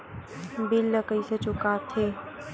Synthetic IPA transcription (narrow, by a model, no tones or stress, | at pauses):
bɪləkəiset͡ʃʊkat̪ʰeː